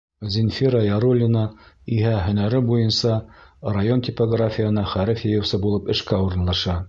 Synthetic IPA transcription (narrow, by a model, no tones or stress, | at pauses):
zʲɪnfʲiɾɑjɑɾulʲːɪnɑiɦæɦɵ̆næɾɘbujɤnsɑrajont̪ʲipoɡrafʲɪjə̆nɑχæɾɘfjɘ̆jɤ̆wsɤbulˠɤpɘ̆ʃkæuɾɤ̆nlˠɑʃɑ